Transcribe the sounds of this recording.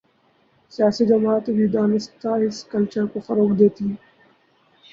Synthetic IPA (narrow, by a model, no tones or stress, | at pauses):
sɪjaːsid͡ʒɐmaːt̪ʋid̪aːnɪst̪aɦɪskəlt͡ʃəɾkofɐɾoːkd̪eːt̪iː